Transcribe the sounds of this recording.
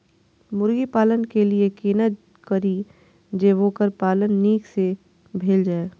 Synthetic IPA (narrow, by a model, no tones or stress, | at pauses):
mʊɾɡipaːlənkeliekiːnət̪ | kɐɾi | d͡ʒeːʋõkəɾpaːlənːiːkse | bʱeːld͡ʒaːeː